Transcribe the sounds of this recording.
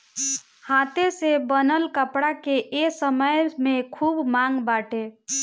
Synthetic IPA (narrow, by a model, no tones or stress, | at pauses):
hat̪esebənəlkəpɽakeʔesəməjmekʰubmaŋɡbaʈe